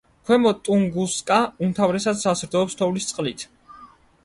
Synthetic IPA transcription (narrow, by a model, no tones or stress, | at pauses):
kʰwɛmɔt̪ʼuŋɡuskʼaumt̪ʰavɾɛsad̪sasɾd̪ɔɔpst̪ʰɔvlist̪sʼqʼlit̪ʰ